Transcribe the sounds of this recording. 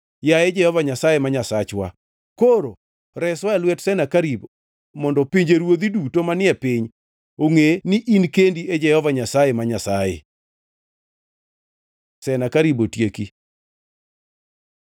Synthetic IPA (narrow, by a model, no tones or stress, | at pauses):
jaɛd͡ʒɛhɔvaɲasajemaɲasat͡ʃwa̰ | koɾo | ɾɛswaɛlwɛtsɛnakaɾibo | mɔndɔpiɲd͡ʒeɾwod̪idutomanɪɛpɪɲ | oŋeniʔinkendied͡ʒɛhɔvaɲasajemaɲasajḛ | sɛnakaɾibotjeki